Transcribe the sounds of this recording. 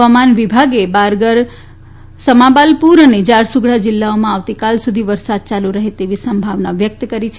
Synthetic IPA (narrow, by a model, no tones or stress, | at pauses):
ʋamanʋibʱaɡebaɾɡəɾ | səmabalpuɾəned͡ʒaɾsuɡɽad͡ʒɪlːaomãaʋt̪ikalsud̪ʱiʋəɾsad̪̚t͡ʃaluɾəɦet̪eʋisəmbʱaʋnaʋjək̚t̪kəɾit͡ʃʰe